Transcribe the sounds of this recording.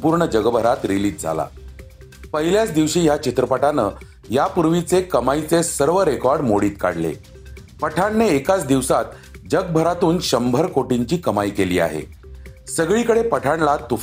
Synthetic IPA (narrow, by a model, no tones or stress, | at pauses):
puːɾɳəd͡ʑəɡbʱəɾat̪ɾiliːt̪̚d͡zʱa̰la̰ | pəɦiljat͡sd̪iʋɕiːjat͡ɕit̪ɾəpaʈanə | japuɾʋit͡sekəmait͡sesəɾʋəɾekɔɾɖmoɽiːt̪ka̰ɽlḛ | pəʈʰaɳːeːkat͡sd̪iʋsat̪ | d͡ʑəɡ̚bʱəɾat̪uːnɕəmbʱəɾkoʈiɲt͡ɕiːkəmaikeliːa̰ɦḛ | səɡɭiːkəɽepəʈʰaɳlat̪ːuf